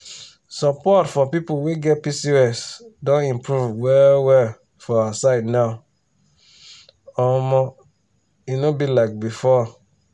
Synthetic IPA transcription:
sɔpɔtfɔpipoweɡɛt̚pisiɛsdɔ̃nĩmpʰɹuvwɛwɛ | fɔawasaɪdnaʊ | ɔmɔ | inobilaɪk̚bifɔ

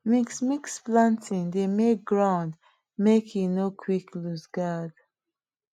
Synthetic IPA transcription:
miksmiksplãntʰĩŋdemek̚ɡɹãʊ̃nd | mekʰĩnokʰwikʰlusɡad̥

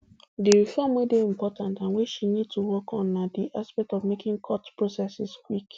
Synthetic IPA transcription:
deɾifɔmwedeĩm̩pɔtãntãnweʃinid̚tʰuwɔkʰɔ̃nːadiʔaspɛk̚tɔvmekɪ̃ŋkʰɔtpɹosɛsɪskwik

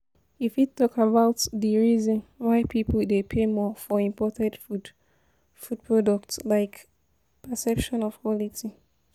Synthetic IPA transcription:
ifitːɔkabaʊtðiɹizɔ̃nwaɪpʰipl̩depʰemɔfɔĩmpɔtɛ̃dfu | fud̚pʰɹɔdɔk̚tslaɪk | pəsɛpʃɔ̃nɔv̥kwɔliti

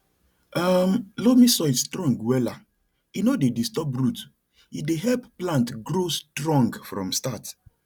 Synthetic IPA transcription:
amlomĩsɔistɹɔ̃ŋɡwɛla | inɔdedistɔp̚ɾut | ideɦɛlpplãntɡɾostɹɔ̃ŋɡfɾɔ̰̃mstat

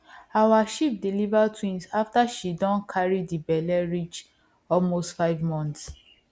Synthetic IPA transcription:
awaʃip̚dilivatʰwĩnsaftaʃidɔ̃nkʰaɹidibɛlɛɹit͡ʃ | ɔlmostfaɪvmɔ̃nts

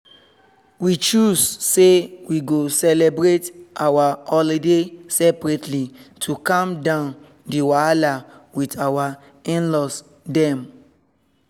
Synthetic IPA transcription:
wit͡ʃussewiɡosɛlebɹetawahɔlidesɛpɹɛtʰlitʰukãmdãʊ̃n | diwalawitawa | ĩnlɔs | dɛ̃m

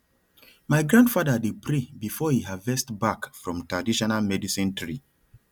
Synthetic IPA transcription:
maɪɡɹãndfadədid̚pʰɹebifɔhiɦadvɛstbakfɹɔ̃mtɹadiʃɔnalmɛdisĩntʰɹi

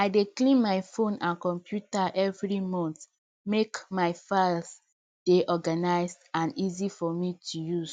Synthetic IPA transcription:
aɪdeklĩnmaɪfõnãnkɔ̃mpjutaʔɛvɹimɔ̃nθ | mekmaɪfals | d̥eʔɔɡanaɪzdãnizifɔmitʰujuz̥

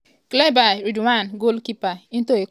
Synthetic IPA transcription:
klabaɾiduwanɡolkipain̩toe

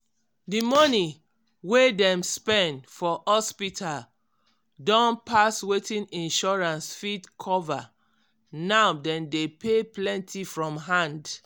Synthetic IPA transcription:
dimɔni | wedɛ̃mspɛ̃ndfɔhɔspitʰal | dɔ̃npaswetĩnĩnʃɔɹãnsfidkʰɔva | naʊdɛ̃ndepeplɛ̃ntʰifɹɔ̃mɦãnd

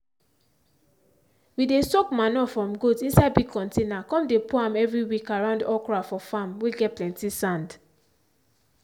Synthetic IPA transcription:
widesɔkmanɔfɹɔ̃mɡotĩnsaɪdbiɡ̚kʰɔ̃ntenakɔ̃mdepuãmɛvɹiwikaɹãʊ̃ndɔkɹafɔfãmweɡɛt̚plɛ̃ntisãnd

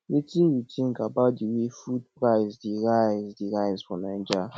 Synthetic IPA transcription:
itiɾitʰĩnkabadiwifud̚pɾaɪzdiɾaɪzdiɾajzfɔnan̩d͡ʒa

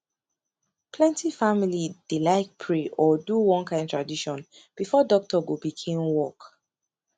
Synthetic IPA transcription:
pʰlɛ̃ntifamilid̥ilaɪk̚pʰɹeʔɔduwɔ̃nkãɪ̃ntʰɹ̥adiʃɔ̃n | b̥ifɔdɔk̚tʰɔɡobikʰẽmwɔk

